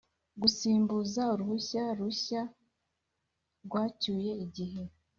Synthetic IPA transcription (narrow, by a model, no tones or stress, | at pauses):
ɡusiːmbuzauɾuhuçaɾuɕa | ɾɡwaːcuːje̞iɟiɦe̞